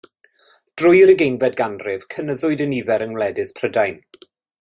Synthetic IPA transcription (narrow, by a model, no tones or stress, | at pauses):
d̥rʊjɾəɡejnvɛdɡanrɪv̥kʰənəðʊɨdənivɛɾənwlɛdɪspʰrədajn